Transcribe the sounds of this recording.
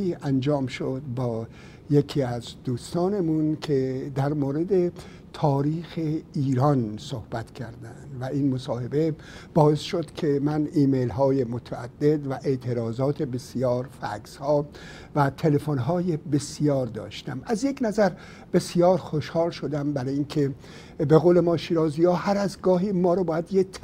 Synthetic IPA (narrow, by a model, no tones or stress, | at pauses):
iːʔænd͡ʒɒːmʃod̪̚bɒː | jekʰiːæzd̪uːst̪ɒːne̞munkʰe̞d̪æɾmoːɾe̞d̪e̞ | t̪ʰɒːɾiːxeiːɾɒnsohb̥æt̪kʲʰæɾd̪ænd̪væʔinmosɒːhe̞be̞ | b̥ɒːe̞sʃod̪̥kʰe̞mæniːmejlɦɒːje̞mot̪ʰææd̪̥ːe̞d̪væʔe̞ʔt̪ʰe̞ɾɒːzɒːt̪ʰe̞be̞sijɒːɾfæ̰kshɒː | væt̪ʰe̞le̞fonɦɒːjebe̞sijɒːɾd̪ɒ̰ːʃt̪æmæzje̞knæzæɾ | b̥e̞sijɒːɾxoʃhɒːlʃod̪æmbæɾɒːjinkʰe̞ | be̞ɣoːlemɒːʃiːɾɒːzijɒːhæɾæzɡɒːɦimɒːɾɔbɒːjæd̪jet̪ʰ